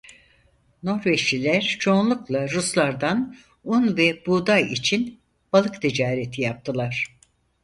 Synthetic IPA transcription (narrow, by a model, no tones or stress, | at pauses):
no̞ɾveʃlilʲæɾt͡ʃʰo̞ːnlˠuklˠaɾuslˠaɾd̪an | unvɛbuːd̪ajit͡ʃʰin | b̥alˠɯkt̪ʰid͡ʒaːɾet̪ʰijap̚t̪ʰɯlˠaɾ̝̥